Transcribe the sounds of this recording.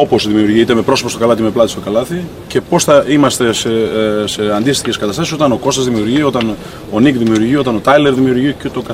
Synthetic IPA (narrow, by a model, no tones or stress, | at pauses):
o̞po̞sðimiuɾʝit̪emepɾo̞so̞posto̞kɐlɐt̪̬imeplɐt̪ist̪o̞kɐlɐθi | ce̞po̞sθɐimɐst̪e̞sese̞ɐnd̪ist̪içe̞skɐt̪ɐst̪ɐsiso̞t̪ɐno̞ko̞st̪ɐzðimiuɾʝio̞t̪ɐn | o̞nikðimiuɾʝio̞t̪ɐno̞t̪ɐjle̞ɾðimiuɾʝicet̪o̞kɐ